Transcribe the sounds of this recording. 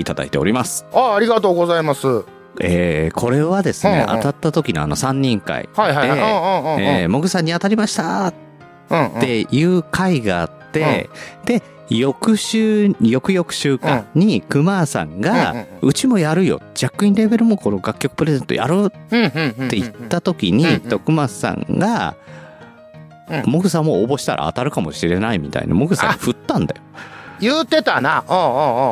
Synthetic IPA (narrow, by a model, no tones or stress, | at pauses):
it̪ad̪a̰it̪e̞o̞̰ɾʲimasɨ̥aːɾʲiɡat̪o̞ːɡo̞zaimasɨ | ekʰo̞ɾe̞βad̪e̞sɨne̞̰a̰t̪at̪ːat̪o̞kʲinoa̰no̞sãɲ̟ːĩŋka̰ihaad̪ẽemo̞ɡɯ̟sãɲ̟ːiat̪aɾʲimaɕi̥t̪a̰tː | e̞jɯ̟ːkʰaiɡaːt̪ːe̞d̪̥e̞ | jo̞kɯ̟ɕɨːjo̞kɯ̟jo̞kɯ̟̥ɕɨːkã̰ɲɲ̟ikɯ̟maːsã̰ŋɡaɯ̟t͡ɕimo̞jaɾɯ̟jo̞̰d͡ʑakːɯ̟ĩɾe̞be̞ɾɯ̟mo̞ko̞no̞ɡakʲːo̞kɯ̟pɯ̟ɾe̞zẽ̞nt̪oja̰ɾɯt̪ːe̞it̪ːat̪o̞kʲiɲ̟id̪o̞kɯ̟massã̰ŋɡa | mo̞kɯ̟sãmːo̞ːbo̞ɕi̥t̪aɾa̰a̰t̪aɾɯ̟kamo̞̰ɕiɾe̞naimʲit̪a̰ḭna̰moɡɯ̟sã̰ɸɯ̟t̪ːãnd̪a̰jojɯːt̪e̞t̪anaõː